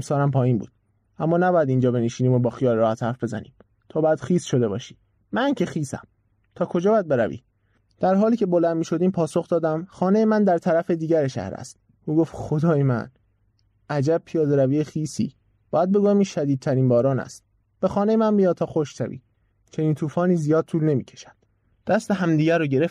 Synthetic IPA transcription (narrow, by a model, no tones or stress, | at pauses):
msɒːlæmpʰɒːjiːnbṵːd̪̥̚ | ʔæmːɒːnæbɒːjæd̪ind͡ʒɒːbe̞neʃiːniːmobɒːxijɒːlɾɒːhæt̪hæɾfbe̞zæ̰nḭːm | t̪ʰɒːbɒjæd̪xiːsʃo̞d̪e̞bɒ̰ːʃi̥ː | mæncʰexiːsæ̰m | t̪ʰɒːkʰo̞d͡ʒɒːbææd̪be̞ɾævḭː | d̪̥æɾɦɒːliːcʰʲe̞bo̞lænd̪miːʃo̞d̪iːmpʰɒːso̞xd̪ɒːd̪æmxɒːne̞jemænd̪æɾt̪ʰæɾæfed̪iːɟæɾeʃæ̰hɾæ̰st̪̚ | ʔuːɡoft̪xod̪ɒːjemæ̰n | ʔæd͡ʒæb̚pʰijɒːd̪eɾæviːexiːsḭː | b̥ɒːjæd̪̚be̞ɡujæmiʃæd̪iːd̪̚t̪ʰæɾiːnbɒːɾɒːnæ̰st̪̚ | b̥e̞xɒːne̞jemænbijɒːt̪t̪ʰɒːxoʃʃæ̰vḭː | t͡ʃʰe̞niːnt̪ʰuːfɒːniːzijɒːd̪̥̚t̪ʰuːlne̞miːcʰe̥ʃæ̥d̪̥ | d̪̥æst̪eɦæmd̪iːɟæɾoːɟe̞ɾef